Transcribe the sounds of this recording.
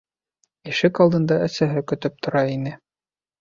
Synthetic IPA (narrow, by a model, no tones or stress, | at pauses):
iʃɘkɑlˠd̪ɤ̆nd̪ɑæsæɦɘkɵ̆t̪ɵp̚t̪ʰŏɾɑinɘ